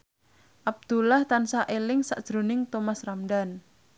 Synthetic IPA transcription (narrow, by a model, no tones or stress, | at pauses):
ʔab̚d̪̥ulaht̪ansaʔelɪŋsa̰ʔd̥ʒ̥ɾo̤nɪŋt̪omasramɖan